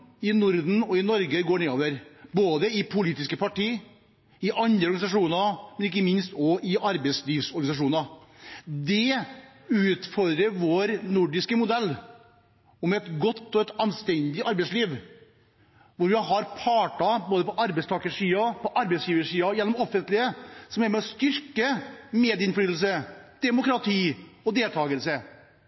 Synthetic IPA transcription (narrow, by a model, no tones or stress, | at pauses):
ɪnʊɾd̪n̩ɔɪnɔɾɡəɡoːɳeːoːʋəɾboːd̪əɪpʰʊliːt̪ɪskəpɑʈiː | ɪʔɑnd̪ɾəɔɾɡɑnɪsɑʂuːnɑmɛnɪkːəmɪnst̪ɔʔɪʔɑɾbɛɪsliːʋsɔɾɡɑnɪsɑʂ̬uːnɑ | d̪ɛ | ʉːt̪fɔɾd̪ɾəɾʋoːɾnʊɖɪskəmʊd̪ɛlː | ʊmɛt̪ɡɔt̪ːɔɛt̪ɑnst̪ɛnd̪ɪʔɑɾbɛɪsliːʋ | ʋʊɾʋɪɦɑɾpʰɑːʈɑboːd̪əpɔʔɑɾbɛɪst̪ʰɑːkəʂiːɑpʰɔʔɑɾbɛɪsjiːʋəʂiːɑjɛnːɔmɔfːənt̪lɪəsɔmɛːɾmɛɔst̪ʏɾkəmeːd̪ɪnflyːt̪l̩s̬əd̪̥ɛmʊkɾɑt̪ʰiːɔd̪eːlt̪ʰɑːɡəlsə